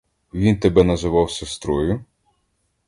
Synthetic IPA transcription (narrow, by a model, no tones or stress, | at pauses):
ʋʲint̪ebɛnɐzɪʋɑwsʲɐst̪ɾɔjʊ